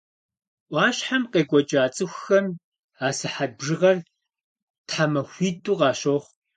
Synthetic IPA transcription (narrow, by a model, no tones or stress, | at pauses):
ʔʷɑːɕħamqeːɡʷɔd͡ʒʼaːt͡sʼɨxʷxɐm | aːsɨħabʐɨʁɐr | tħaːmɐxʷiːdʼuːqɑːɕoχ